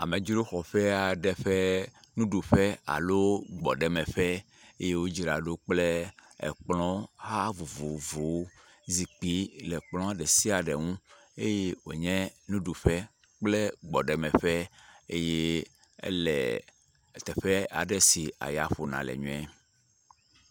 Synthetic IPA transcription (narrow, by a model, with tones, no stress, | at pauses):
a˨mẽ˨d͡ʒi˦ɾo˦xɔ˨ɸɛ˦a˨ɖɛ˨ɸɛ˦nũ˦ɖu˨ɸɛ˦a̰˨lo˦ɡ͡bɔ̰˨ɖɛ˨mɛ˨ɸɛ˦ | e˦je˦wo˦d͡ʒi˨ɾa̰˨ɖo˦k͡plḛ˦˨k͡plɔ̃˦ha˦vo˨vo˨vo˨wo˦ | zi˨k͡pi˨˦lɛ˨k͡plɔ̃˦a˨ɖɛ˨si˦a˨ɖɛ˨ŋũ˦ | e˦je˦wo̰˨ɲɛ̃˦nũ˦ɖu˨ɸɛ˦ | k͡plɛ˦ɡ͡bɔ˨ɖɛ˨mɛ̃˨ɸɛ˦e˦je˦ | ɛ̰˦lɛ̰˨ | t̪ɛ˨ɸɛ˦a̰˨ɖɛ˦si˨a̰˨ja˨ɸo˨nã̰˨lɛ̰˨ɲũ˦ɛ˦